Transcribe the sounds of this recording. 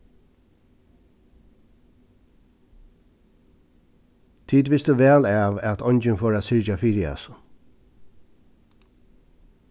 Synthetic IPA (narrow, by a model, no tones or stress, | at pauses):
t̪ʰiːd̪ʋɪsd̪ʉʋɛːlaʋɛt̪ʰɔɲt͡ʃɪnfɔːɾasɪɹt͡ʃafiːɾɪa̰s